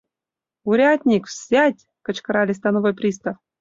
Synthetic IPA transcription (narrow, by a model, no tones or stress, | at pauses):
uɾʲatʲnʲikfsʲætʲ | kɤ̆t͡ɕkɤ̆ɾɑlʲɪsʲt̪anovojprʲis̬t̪af